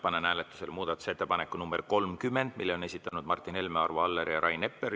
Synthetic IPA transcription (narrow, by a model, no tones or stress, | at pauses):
pɑnenæːlet̪ːˑu̥se̞lmuːd̪̥ɑt̪ːˑu̥se̞t̪ːepɑnekːˑunumbeɾko̞lmkymːe̞nd̪̥milːeo̞nesʲit̪ːˑɑnud̪̥mɑrt̪ːˑine̞lmeɑ̰rvoɑlːeɾjɑɾʔɑjnepːˑeɾ